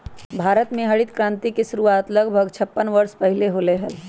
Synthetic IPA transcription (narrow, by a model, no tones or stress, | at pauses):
bʱaːɾət̪mẽɦɐɽɪt̪kɾãːnt̪ikeʃʊɾuaːt̪lɐɡbʱəɡt͡ʃʰɐpːənʋɐɾspɐɦɪleɦoːleɦəl